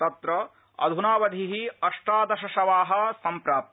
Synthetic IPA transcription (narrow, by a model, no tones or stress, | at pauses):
t̪ɐt̪ɾɐ | ɐ̰d̪ʱunaːʋɐd̪ʱiɦiɐʂʈɾaːd̪ɐʃɐʃɐʋaːɦɐ̆sɐmpɾaːp̚t̪